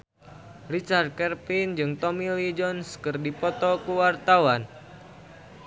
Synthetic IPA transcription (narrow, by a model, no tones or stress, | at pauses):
rit͡ʃard̪̚kɛrpind͡ʒɨŋt̪ɔmilid͡ʒɔnskɨrdipɔt̪ɔkuwart̪awan